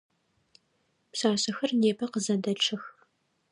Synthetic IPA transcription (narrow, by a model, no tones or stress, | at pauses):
psaːsɐxɐrneːpʰɐqəzɐdɐɬʰɨx